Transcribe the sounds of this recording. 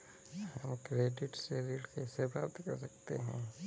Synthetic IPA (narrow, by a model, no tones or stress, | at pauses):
ɦɐmkɾeːɖɪʈseːɾilkeɪsepɾa̰bt̪kɐɾsəkt̪ḛɦɛ̰̃ː